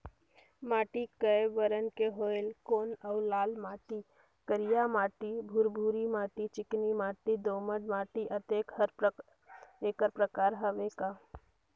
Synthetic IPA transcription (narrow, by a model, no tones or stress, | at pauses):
maːʈikəjʋəɾənkeɦoːelkoːnəʊlaːlmaːʈi | kəɾijamaːʈibʱuɾbʱuːɾimaːʈit͡ʃɪknimaːʈid̪oːməɖmaːʈiʔət̪eːkhəɾ | eːkəɾpɾəkaːɾɦəʋeːka